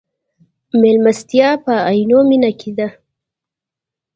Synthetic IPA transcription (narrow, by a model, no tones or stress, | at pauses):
melmast̪jɑpəajnominakʰed̪a